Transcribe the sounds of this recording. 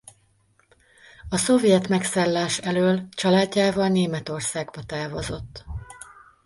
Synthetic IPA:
ɒso̞vjɛt̪mɛksaːlːaːʃɛløːlt͡ʃɒlaːɟːaːvɒlneːmɛt̪o̞rsaːɡbɒt̪aːvɒzo̞t̪ː

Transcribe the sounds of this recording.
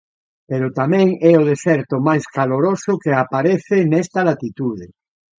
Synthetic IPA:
peɾot̪amɛ̃ŋɛoðesɛɾt̪omajskaloɾosʊkeapaɾeθenɛst̪alat̪it̪uðe

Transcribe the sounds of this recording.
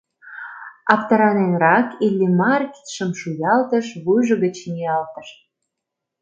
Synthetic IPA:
ɑpt̪ɑɾɑnenrɑkilʲːimɑrki̥t̪ʃəmʃujɑlt̪əʃβujʒəɣət͡ɕniɑlt̪əʃ

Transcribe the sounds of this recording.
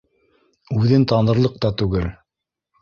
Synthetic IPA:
ʉðɘnt̪ɑnɤ̆ɾlˠɤq̚t̪ɑt̪ʉɡɘl

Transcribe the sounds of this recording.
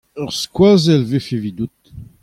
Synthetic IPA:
œʁskwazɛlvefevid̪ut̪

